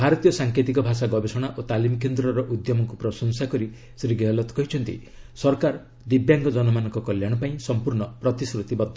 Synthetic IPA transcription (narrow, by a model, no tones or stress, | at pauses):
bʱaɾɔt̪ijɔsaŋkʰet̪ikɔbʱasaɡɔbesɔɽ̃aʔot̪alimɔk̬end̪ɾɔɾɔʔud̪jɔmɔŋkupɾɔsɔŋsakɔɾi | sɾiɡeɔlɔt̪kɔɦit͡ʃʰɔnt̪ḭ | sɔɾkaɾ | d̪ibjaŋɡɔd͡ʒɔnɔmanɔ̃ŋkɔkɔljaɽ̃ɔpaĩsɔmpuɾɳɔpɾɔt̪isɾut̪ibɔbd̪ʱɔ